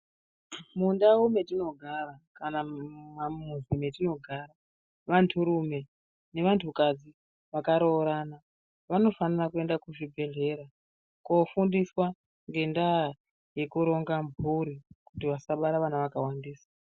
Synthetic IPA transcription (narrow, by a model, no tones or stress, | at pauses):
mundawume̞tino̞ɡʱarakanamamuzimetino̞ɡʱaɾa | ʋantʰuɾume̞ | ne̞ʋantʰukad͡zi | ʋakaɾoːɾaːna | ʋano̞fanirakue̞ndakuʐibʱe̞ɮe̞ɾa | kofundiswa | ŋɡe̞nda | je̞kuɾo̞ŋɡambʱuɾikutiʋasaɓaɾaʋanaʋakawandiːsḁ